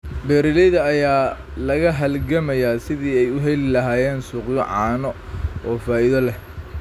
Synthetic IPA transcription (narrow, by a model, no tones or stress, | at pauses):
bɛːɾɪlɛjðɐːjaː | lɐɣɐɦɐlɡɐmɐjaːsɪðiːɛjʊɦɛlɪlɐɦaːjɛːnsuːqjɔʕɑːnɔʔɔːfaːɪðɐlɛh